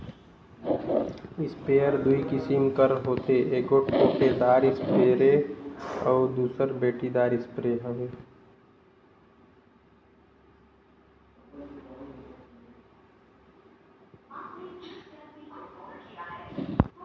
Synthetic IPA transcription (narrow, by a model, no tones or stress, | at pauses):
ɪspeːəɾd̪uikɪsimkəɾɦoːt̪eʔeːkoːʈoʈed̪aːɾɪspeːɾe | ɔːɾd̪uːsəɾbeːʈid̪aːɾɪspɾeːɦẽeː